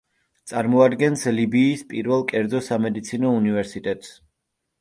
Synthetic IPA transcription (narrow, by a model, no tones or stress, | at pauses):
t̪sʼaɾmɔad̪ɡɛnslibiːspʼiɾvɛlˠkʼɛɾd̪zɔsamɛd̪it̪sʰinɔunivɛɾsit̪ʼɛt̪ʼs